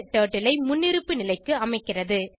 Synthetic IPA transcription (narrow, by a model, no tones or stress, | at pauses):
ʈoːʈːɪlɐɪmʊnːɪɾɯpːɯnɪlɐɪkːɯɐmɐɪkːɪrɐðɯ